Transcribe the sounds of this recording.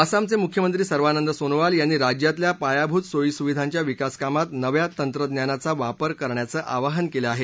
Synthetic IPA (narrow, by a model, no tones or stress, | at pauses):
əsamt͡semukʰjəmənt̪ɾiːsəɾʋanənd̪əsonʋaljanːiːɾad͡ʑjat̪ljapajabʱuːt̪soisuʋid̪ʱaɲt͡ɕjaʋikaskamat̪nəʋjat̪ənt̪ɾəd̪njanat͡saʋapəɾkəɾɳjat͡səːʔaʋaɦənkeləaɦe